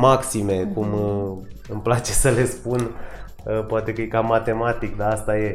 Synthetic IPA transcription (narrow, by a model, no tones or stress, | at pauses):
maksime̞kum | ɨmplat͡ʃe̞səle̞spun | poat̪e̞kəjekamat̪e̞mat̪ikd̪aast̪aje̞